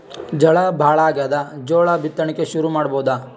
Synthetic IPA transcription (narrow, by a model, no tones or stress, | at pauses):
d͡ʒɐɭɐbʱaːɭaːɡaːd̪ɐd͡ʒoːɭɐbʱit̪ːɐɳikːeʃuɾumaːɽboːud̪aː